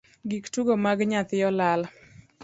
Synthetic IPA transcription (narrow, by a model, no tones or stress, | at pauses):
ɡiktuɡomaɡɲat̪ɪjɔlal